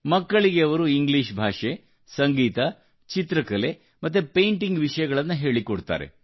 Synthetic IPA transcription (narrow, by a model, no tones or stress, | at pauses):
mɐkːɐɭiɡeɐʋɐɾuiŋɡliʃbʱaːʂe̞ | sɐŋɡiːt̪ɐ | t͡ʃit̪ɾɐkɐle | mɐt̪̬ːupejɳʈiŋɡʋiʂɐjɐɡɐɭɐnːuɦe̞ːɭikoɽt̪a̰ːɾe̞̰